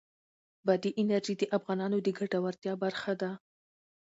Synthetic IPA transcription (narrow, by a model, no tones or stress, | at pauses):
bad̪iʔɪnaɾʒid̪əʔafɣɑnɑnod̪əɡaʈawaɾt̪jɑbaɾxad̪a